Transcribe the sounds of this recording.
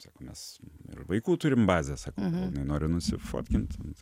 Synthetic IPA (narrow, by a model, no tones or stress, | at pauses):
sɑ̰ːkoːmʲɛ̰sɪ̰ʃʋɐɪkuːt̪uɾʲɪmbɑːzʲɛsɑːkoːnɐɪnoːɾʲɪnʊsʲɪ̰fo̰ːt̪ʲkʲɪnt̪